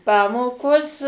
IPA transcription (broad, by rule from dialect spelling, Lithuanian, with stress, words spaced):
ˈpɑːmoːkoːs